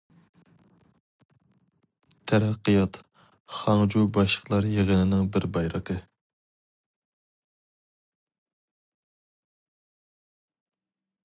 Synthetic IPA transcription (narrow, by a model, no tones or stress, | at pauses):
t̪ʰæɾæqːɨjɑt̪ | χɑŋd͡ʒubɑʃlˠə̥χlˠɑɾjeʁənɪnɪŋbɪɾbɑjɾəqʰə